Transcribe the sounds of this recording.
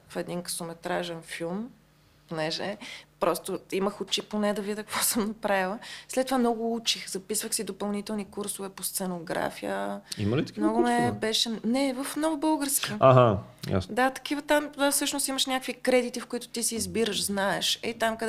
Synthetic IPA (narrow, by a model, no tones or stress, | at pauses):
fɛd̪inkɐ̥somɛt̪ɾaʒɛnfilˠm | ponɛʒɛpɾʔɔst̪oiməxʊt͡ʃiponɛd̪ɐvid̪əkəkvɔsəmnɐpɾavilˠəslɛt̪ːovamnɔɡʊut͡ʃixzɐpisvəxsid̪opɐlˠnit̪ɛlˠnikuɾsʊvɛpost̪sɛnoɡɾa̰fijə̰ḭməlit̪ɐ̥kmnɔɡʊmɛbɛʃɛnɛvəfnɔvʊbɤlˠɡəɾskiaɦaja̰sd̪at̪ɐ̥kivət̪amd̪afsɤʃnʊst̪iməʃnʲakəkvikɾɛd̪it̪ifkʊit̪ʊ̥t̪isiːzbiɾəʃznaɛʃɛt̪amkɐd̪ɛ